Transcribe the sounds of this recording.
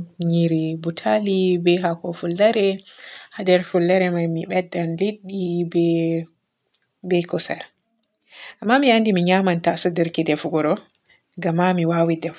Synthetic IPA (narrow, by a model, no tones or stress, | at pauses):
ɲiɾibutʰalibɛɦakɔfulːaɾɛhadɛɾfulːaɾɛmajmiɓɛdːanliɗːibɛ | bɛkɔsa̰l | ʔamːamijandimiɲamantasɔdəɾkidɛfɡɔɾɔ | ɡamːamiwawidɛf